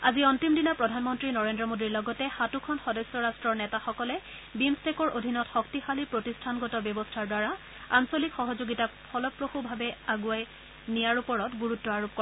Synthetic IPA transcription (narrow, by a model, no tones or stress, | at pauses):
aziɔntimdinapɹɔdʱanmɔntɹinɔɹendɹɔmodiɹlɔɡɔtɛxatukʰɔnxɔdɔsɔɹastɹɔɹnɛtaxɔkɔlɛ | bimstekɔɹʔodʱinɔtxɔk̚tixalipɹotistʰanɡɔtɔbjɔbɔstʰaɹdwaɹa | ansolikxɔɦɔzoɡitapʰɔlɔpɹoxubʱabɛaɡuaj | nijaɹupɔɹɔtɡuɹutːɔaɹop̚kɔ